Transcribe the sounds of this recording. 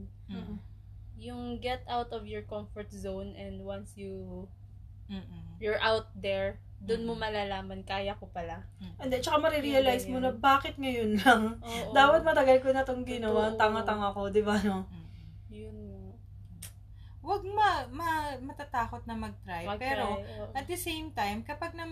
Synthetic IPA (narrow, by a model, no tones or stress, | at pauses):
jʊŋɡɛt̪awt̪ɔvjɔɹkɔmfɔɹt̪̚zownʔɛnd̪wɐnsju | jɔɹʔawt̪̚d̪ɛɹ | d̪ʊnmomɐlaːlaːmɐnkaːjɐkopɐlaʔɛnd̪ɛt͡ʃɐkamɐɾiɾiɐlajsmonɐbaːkɪt̪̚ŋɐjonlɐŋd̪aːwɐt̪̚mɐt̪ɐɡɐlkonɐt̪oŋɡɪnɐwaɐŋat̪ɐŋako̞d̪ɪbano̞ | jʊn | wɐɡ̚mɐmɐmɐt̪at̪aːkot̪̚nɐmɐɡ̚t̪ɾajɡ̚pɛɾoʔɐt̪̚d̪ɐsejmt̪ajmkɐpɐɡ̚nɐ